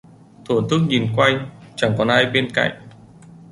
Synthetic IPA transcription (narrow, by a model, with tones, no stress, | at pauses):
t̪ʰo˧˩nt̪ʰɨ˦˥k̚ɲi˨˩nkwa˧jŋt͡ɕa˧˩ŋkɔ˨˦nʔaː˧jɓe˧nka̰˧˨jŋ̚